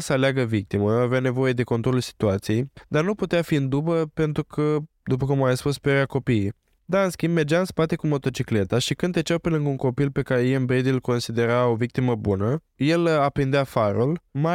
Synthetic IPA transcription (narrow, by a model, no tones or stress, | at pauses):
səaleaɡəvik̚t̪iməaveane̞vo̞je̞d̪e̞ko̞nt̪ɾo̞lulsi̥t̪uat̪sije̞jd̪arnuput̪eafiɨnd̪ubəpe̞nt̪ɾukʰə | d̪upəkumajspuspeɾeako̞pije | d̪aɨnskʲimbme̞rd͡ʒaɨnspat̪e̞kumo̞t̪o̞t͡ʃikle̞t̪aʃikɨnet͡ʃawpe̞lɨŋɡəuŋko̞pilpe̞kaɾejenbɾed̪ilko̞nsid̪e̞ɾaovik̚t̪iməbunə | je̞lapɾind̪eafaɾulma